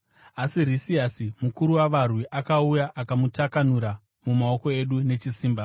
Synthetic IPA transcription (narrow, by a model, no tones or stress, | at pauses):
asiɾisiasimukuɾuwaʋarwiʔakaujaʔakamutakanuɾa | mumao̞ko̞e̞ɗune̞t͡ʃisiːmba